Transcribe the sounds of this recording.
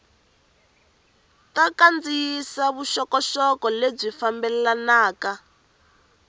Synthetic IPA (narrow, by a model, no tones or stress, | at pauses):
takand͡zijisaβuʃɔkɔʃɔkɔleb͡ʐifambɛlɛlanaːka